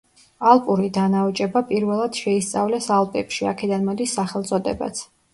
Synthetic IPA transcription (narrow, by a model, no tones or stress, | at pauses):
alˠpʼuɾid̪anaɔt͡ʃʼɛbapʼiɾvɛlˠad̪̥ʃɛist̪sʼavlɛsalˠpʼɛpʃiakʰɛd̪anmɔd̪isːaχɛlˠt̪sʼɔd̪ɛba̰t̪sʰ